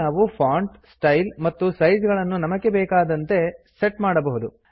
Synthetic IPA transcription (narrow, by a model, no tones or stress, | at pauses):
aːʋupʰaːɳʈsʈɐjlmɐt̪ːusɐjd͡ʒɡɐɭɐnːunɐmɐɡe̞bɛːkaːd̪ɐnt̪e̞seʈmaːɽɐbɐɦud̪u